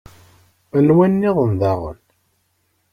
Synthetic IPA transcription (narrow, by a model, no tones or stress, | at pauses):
ənwænːɪðˤənðaʁə̰n